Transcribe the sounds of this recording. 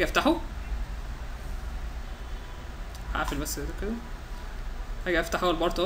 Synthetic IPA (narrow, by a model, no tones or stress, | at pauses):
æɡæʔæft̪aħo | ha̰ʕfelbæsːæd̪æked̪æ | hæɡæʔæft̪aħoʔælbɑɾˤt̪ˤ